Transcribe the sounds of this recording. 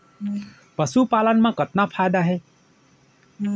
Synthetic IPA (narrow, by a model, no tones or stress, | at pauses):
pəsupalənmãkət̪napʰajd̪aɦeː